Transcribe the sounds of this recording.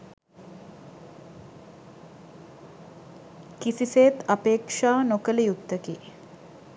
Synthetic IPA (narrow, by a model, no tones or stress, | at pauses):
kisiseːt̪ɐpeːkʂaːnokələjut̪ːəkiː